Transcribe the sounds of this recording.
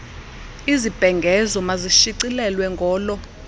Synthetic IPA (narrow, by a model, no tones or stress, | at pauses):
izib̥ʱɛŋɡʱɛzɔmaziʃiǀilɛlwɛŋɡʱɔːlɔ